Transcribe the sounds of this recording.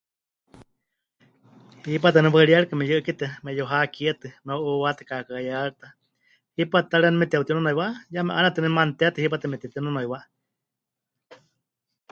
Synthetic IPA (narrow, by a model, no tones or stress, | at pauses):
hip̬at̪ɨniwaiɺiaɺkamɛjɨʔɨkit̪ɛmɛjoɦakiɛt̪ɨnoʔuwat̪ɛ̥kakajaɺt̪a | hipat̪aɾɛnɛmit̪iaut̪iunonoiwaʔjamɛʔanat̪ɨnɛmant̪ɛat̪ɨhipat̪ɨmɛt̪it̪inonoiwaʔ